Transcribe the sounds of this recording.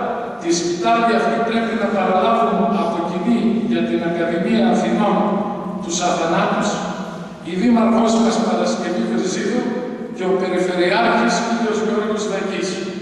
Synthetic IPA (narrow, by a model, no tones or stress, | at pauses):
t̪ispit̪ɐliɐft̪ipɾe̞pinɐpɐɾɐlɐvunɐpo̞ciniʝɐt̪inɐkɐðimiɐːfino̞n | t̪usɐθɐnɐt̪us | iðimɐɾkospɐspɐɾɐsce̞vipɾiziðu | ce̞ope̞ɾife̞ɾiɐcisiðeozʝoɾit̪ozðɐcis